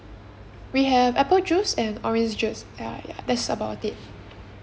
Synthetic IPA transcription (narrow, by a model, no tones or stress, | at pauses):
wiɦɛvɛpəld͡ʒusɛ̃nɔɹɛ̃nd͡ʒd͡ʒus | aja̰dɛtsəbaʊtit̚